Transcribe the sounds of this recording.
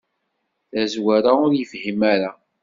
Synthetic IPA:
θæzwaɾaʊɾjəfhimæɾa

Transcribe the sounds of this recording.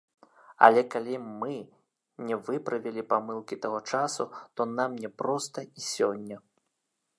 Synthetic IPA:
ɐ̰lʲɛkalʲimɨ | nʲɛvɨpɾɐvʲɛlʲipamɨlˠkʲit̪aɣɔt͡ʂasut̪ɔnamnʲɛpɾɔst̪ɐisʲɔnʲːɐ

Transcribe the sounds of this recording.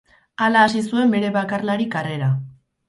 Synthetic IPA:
alaːsisue̞mbe̞ɾe̞βakarlaɾikare̞ɾa

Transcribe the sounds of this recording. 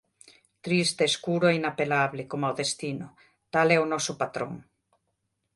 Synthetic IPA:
t̪ɾist̪eːskuɾoɛinapelaβlɪkomawðest̪inʊ | t̪alɛonɔsʊpat̪ɾo̰ŋ

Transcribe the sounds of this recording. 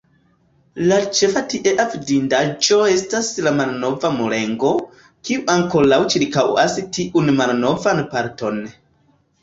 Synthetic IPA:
lat͡ʃe̞fatiʔe̞ʔavdindad͡ʒo̞e̞staslamalno̞vamule̞ŋɡo̞ | kiuʔaŋko̞lawt͡ʃiɾkawa̰sitʰiʔunmalno̞vanpaɾto̞n

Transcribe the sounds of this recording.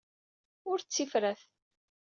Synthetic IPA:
ʊɾt͡sːifɾæθ

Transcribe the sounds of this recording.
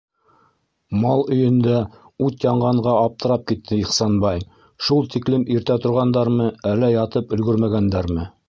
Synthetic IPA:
mɑlˠɵ̆jɵ̆nd̪æ | ʉt̪jɑɴɢɑɴɢɑɑp̚t̪ʰɤ̆ɾɑp̚kit̪ʰːɘiχsɑnbɑj | ʃulˠt̪iklɘmiɾt̪æt̪ŏɾʁɑnd̪ɑɾmɤælːæjɑt̪ɤpɵ̆lɡɵɾmæɡænd̪æɾmɘ

